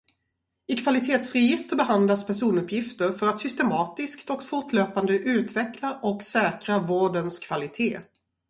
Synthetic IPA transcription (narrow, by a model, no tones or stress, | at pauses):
ɪkʰvalɪt̪ʰeːt̪sɾɛjɪst̪əɾbɛɦand̪laspʰæʂuːnɵpːjɪft̪əɾfœɾat̪sʏst̪ɛmɑːt̪ɪskt̪ɔkt̪fʊʈløːpand̪əʔʉ̟ːt̪vɛklaʔɔksɛːkɾavoːɖənskʰv̥alɪt̪ʰeː